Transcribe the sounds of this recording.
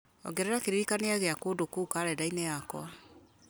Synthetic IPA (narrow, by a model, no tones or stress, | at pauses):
ɔ̰ɡɛɾɛɾakeɾiɾikaneaɣeakoːdokuːkaːɾɛdainɛjakwa